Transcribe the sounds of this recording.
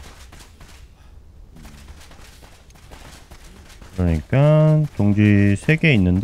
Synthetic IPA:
kɯɾʌɲik͈atoŋd͡ʑisʰe̞ɡe̞inːɯnd

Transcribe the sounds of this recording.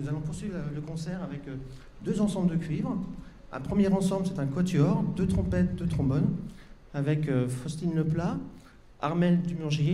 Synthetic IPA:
nuzalɔ̃puʁsɥivələkɔ̃sɛʁavɛk | d̪øzɑ̃sɑ̃bld̪əkʲɥivʁ | ɛ̰̃pχəmjɛʁɑ̃sɑ̃bləsɛt̪ɛ̃kwat̪yɔʁd̪øt̪χɔ̃pɛt̪̚d̪øt̪χɔ̃bɔn | avɛkøfɔst̪inləpla | a̰ʁmɛld̪ymyʁʒ

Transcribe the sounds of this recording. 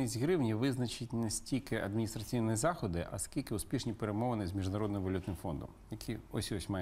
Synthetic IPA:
ɪzʲɣɾɪwnʲiʋɪznɐt͡ʃɪtʲnesʲtʲilʲkɪɐ̰d̪mʲinʲist̪ɾɐt͡sʲijnjizɑxɔd̪ɪʔɐ̰skʲilʲkɪʊspʲiʃnʲipeɾemɔʋɐnɪzʲmʲiʒnɐɾɔd̪nɪmʋɐlʲut̪nɪmfɔnd̪ɔ̰mjɐkʲʰiɔsʲɔsʲmɑj

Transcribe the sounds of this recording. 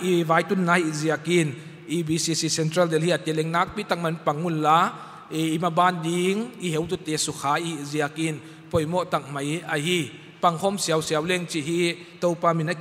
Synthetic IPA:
ʔivaːjt̪unːajiziakin | ʔibisisisɛntɾɐldɛlhiat̪ɛlɛŋnaːk̚pit̪ak̚mɐnpaŋːunla | imabaːndiŋʔiɦewt̪ut̪ɛsuxʰaːʔiziakin | pɔjmɔʔt̪ak̚mɐjʔahi | paŋhʰɔmsiawsiawlɛŋt͡ʃiɦi | t̪ɔwpaːmina

